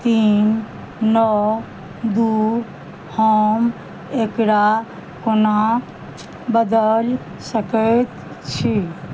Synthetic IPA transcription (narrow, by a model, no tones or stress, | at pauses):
t̪inː | ɔ | d̪u | hɔm | ekɾa | kona | bəd̪əl | səkət̪ | t͡ʃʰi